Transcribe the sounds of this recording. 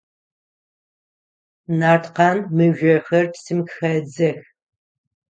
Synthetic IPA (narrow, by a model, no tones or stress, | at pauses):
naːrtʰqɑːnmɨʒᶣʷɐxɐrtʰsɨmkxɐd͡zɐx